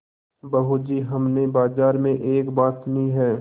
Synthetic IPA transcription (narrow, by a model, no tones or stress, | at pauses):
bɐɦud͡ʒiːɦɐmnebaːzaːɾmẽʔeːkbaːt̪niɦɛː